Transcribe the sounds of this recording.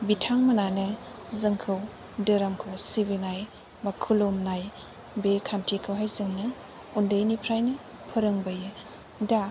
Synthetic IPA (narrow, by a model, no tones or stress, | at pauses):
bitʰaŋmɐnanɯ | zɯŋkʰɯw | deɾamkʰɯwsibinaj | makʰulumnaj | bekʰantʰikʰɯwɦajsiŋnɯ | undɐjnipʰɾajnɯ | pʰɯɾɯŋbɐjɯ | da